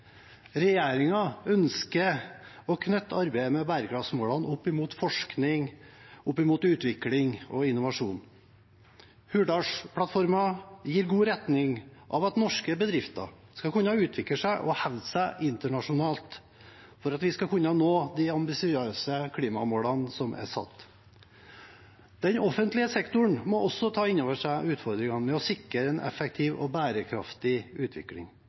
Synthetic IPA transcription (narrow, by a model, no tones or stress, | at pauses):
ɾɛjeːɾɪŋɑœnskəɔkʰnœt̪ːɑɾbæɪəmɛbæːɾəɡʰɾɑfsmoːɭɑnʊpːɪmuːt̪fɔʂknɪŋʊpːɪmuːt̪ʉːt̪ʋɪklɪŋɔɪnːʊʋɑʂuːn | hʉːɖɑʂpʰlɑt̪fɔɾmɑjiːɾɡuːɾɛt̪nɪŋʔɑ̰ʋɑt̪nɔʂkəbəd̪ɾɪft̪ɑ̰skɑkʰʉnːɑʉːt̪ʰʋɪkləʂæɪʔɔhɛʋd̪sæʔɪnt̪əɳɑʂʊnɑːlt̪ | fɔɾɑt̪ʋɪskɑkʰʉnːɑnoːd̪iɑmbɪsɪøːsəkʰliːmɑ̰moːlɑnsɔmʔæ̰sɑ̰t̪ː | d̪̥ɛnɔfənt̪lɪəsɛkt̪ʊɳmɔʔɔsɔt̪ʰɑːɪnːoːʋəʂæɪʉːt̪fɔɾd̪ɾɪŋɑnmɛɔsɪkɾəɛnʔɛ̰fək̚t̪ʰɪːʋɔ̰bæːɾəkʰɾɑ̰ft̪ɪʉːt̪ʰʋɪ̰klɪ̰ŋ